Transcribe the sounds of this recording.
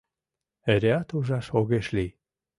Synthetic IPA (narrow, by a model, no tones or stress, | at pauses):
eɾeɑt̪uʒɑʃoɣeʃli